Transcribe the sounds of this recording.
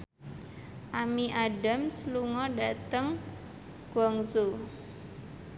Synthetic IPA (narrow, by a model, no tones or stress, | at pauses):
ʔamiʔaɖamsluŋɔɖat̪əŋ | ɡ̥wɔŋso